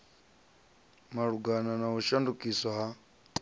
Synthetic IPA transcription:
maɺuɡananaɦuʃandukʼisɔɦa

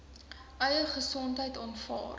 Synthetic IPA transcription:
ʔœɥəχəsɔntɦəjtɑːnfɑ̰ːr

